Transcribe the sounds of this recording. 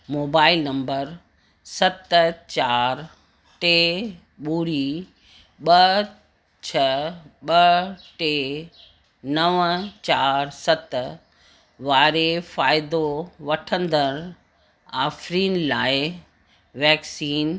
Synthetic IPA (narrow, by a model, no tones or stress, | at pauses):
moːbaːɪlnɐ̃mbəɾ | sɐt̪t͡ɕaːɾ | ʈeː | ɓuːɾi | ɓɐ | t͡ɕʰɐɓɐʈeː | nɐʋt͡ɕaːɾsɐt̪ | ʋaːɾefaːɪd̪oʋɐʈʰə̃nd̪əɾ | aːfɾiːnlaːɪ | ʋɛːksiːn